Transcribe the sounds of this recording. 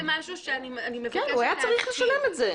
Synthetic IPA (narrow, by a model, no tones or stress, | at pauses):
maʃuʃeanianimekɛnuajat͡saʁiχle̞ʃalemetze